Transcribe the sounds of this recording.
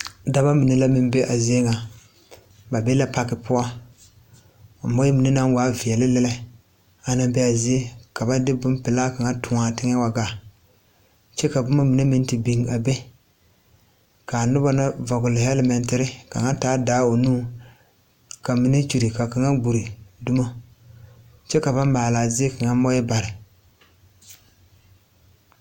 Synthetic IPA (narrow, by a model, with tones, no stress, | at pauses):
da˨ba˦mi˨ne˦la˦mɪ˦mbe˦ʔa˨zɪ˦e˦ŋa˨ | ba˨be˦la˦pa˨kɪ˨pʊ˦a˦˨ | bo˦ji˦mi˨ne˦na˦ŋ˦waː˨˦vi˨ɛ˨lɪ˦lɪ˦lɛ˦˨ | a˨na˦bɛ˦a˨zɪ˦e˦ka˨ba˦dɪ˦bʊ˦npɪ˨laː˦ka˨ŋa˦tʰʊ˨ŋa˨tɪ˦ŋɛ˦wa˨ɡa˨ | t͡ʃɛ˦ka˨bʊ˦ma˦mi˨ne˦mi˦n˦ti˨bi˨ŋa˨be˦ | ka˨nʊ˦ba˦na˦va˨ɡʊ˨lɪ˨hɛ˦lɪ˦mɛ˨ntɪ˦ɾɪ˦ka̰˨ŋa˦n˦taː˨˦daː˦o˨nuː˦ | ka˨mi˨ne˦t͡ʃu˨ɾi˨ka˨ka˨ŋa˦ɡ͡bu˨ɾi˨dʊ˦mo˦ | t͡ʃɛ˦ka˨ba˦mmaː˨laː˨zɪ˦e˦ka˨ŋa˦mɔ˦jɛ˦ba˨ɾɪ˨